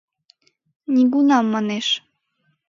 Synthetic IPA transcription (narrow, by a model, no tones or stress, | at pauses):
nʲiɡunɑmːɑneʃ